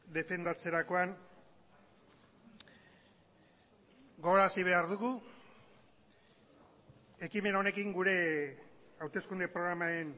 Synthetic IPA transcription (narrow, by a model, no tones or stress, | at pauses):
d̪e̞fe̞nd̪at͡se̞ɾako̞an | ɡo̞ɣoɾasiβ̞e̞aɾðuɣu | e̞kime̞nao̞ne̞kiŋɡuɾe̞ | awt̪e̞skund̪epɾo̞ɣɾamaɾen